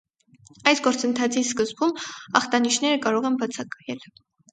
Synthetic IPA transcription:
ɑjsɡɔɾt͡sənt̪ʰɑt͡sʰiskəzbumɑχt̪ɑniʃnɛɾəkɑɾɔʁɛnbɑt͡sʰɑkɑjɛl

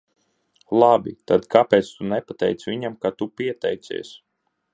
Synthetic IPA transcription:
lˠabʲḭt̪ad̪kapɛːt̪st̪unɛpat̪ɛjt̪svʲiɲamkat̪upiɛt̪ɛjt̪sḭɛs

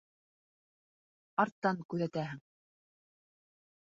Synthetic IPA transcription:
ɑɾt̪ːɑŋkʉðæt̪æɦɘŋ

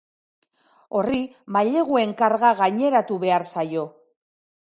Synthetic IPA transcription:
o̞ri | maʎe̞ɣ̞ue̞ŋkaɾɣaɣaɲe̞ɾat̪uβe̞aɾsajo̞

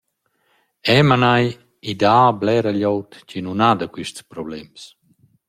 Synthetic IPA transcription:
ɛmanaj | id̪aːblɛɾaʎɔwt̪cinunad̪akwiʃtspɾɔblɛms

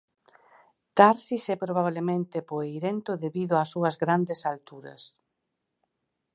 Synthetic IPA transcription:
t̪aɾsisɛpɾoβ̞aβlemẽnt̪epoejɾent̪oðeβiðʊasuɐzɣɾand̪esalt̪uɾɐ̰s

